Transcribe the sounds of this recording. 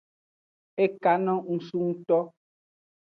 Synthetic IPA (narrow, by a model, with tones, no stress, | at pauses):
e˦ka˨˦nɔ̃˦ŋ̩˨su˦ŋ̩˦tɔ˦